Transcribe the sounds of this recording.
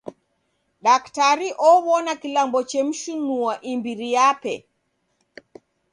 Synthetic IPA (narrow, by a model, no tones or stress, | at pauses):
ɗaktaɾiʔɔβɔnakilambɔt͡ʃɛm̩ʃunuaʔimbiɾijapɛ̰